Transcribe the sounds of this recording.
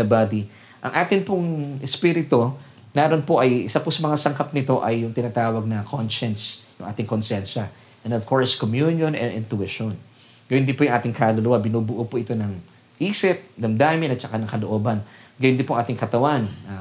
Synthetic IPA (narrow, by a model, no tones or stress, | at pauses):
nɐbaːd̪i | ʔɐ̰ŋʔaːt̪ɪnpʊŋʔɛspiːɾɪt̪o̞ | nɛːɾonpoʔɐjʔɪsapʊsɐmɐŋasɐŋkɐp̚nɪt̪o̞ʔɐjːʊŋt̪ɪnaːt̪aːwɐɡ̚nɐkʰonʃɛnsjʊ̰ŋʔa̰ːt̪ɪŋkonsɛnʃɐ | ʔɛ̃nd̪ov̥ko̞ɹskomjunjonɛ̰nɪ̰nt̪ʊɪʃon | ɡɐjʊnd̪ɪnpojʊŋʔaːt̪ɪŋkaːlʊlʊwabɪnuːbʊʔopoʔɪt̪o̞nɐŋ | ʔiːsɪp̚d̪ɐmd̪aːmɪnɐt͡ʃɐkanɐŋkɐloʔo̞ːbɐnɡɐjʊnd̪ɪnpoʊʔɐŋaːt̪ɪŋkɐt̪ɐwanʔa